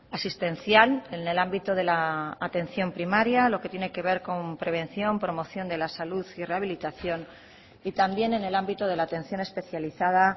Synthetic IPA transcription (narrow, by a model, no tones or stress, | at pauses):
asist̪e̞nθjalene̞lambit̪oð̞e̞laːt̪e̞n̟θjo̞mpɾimaɾjalo̞ket̪je̞ne̞ke̞β̞e̞ɾko̞mpɾe̞β̞e̞n̟θjo̞mpɾo̞mo̞θjo̞nd̪e̞lasaluðire̞aβ̞ilit̪aθjo̞n | it̪ambje̞ne̞ne̞lambit̪oð̞e̞laːt̪ẽ̞n̟θjo̞ne̞spe̞θjaliθað̞a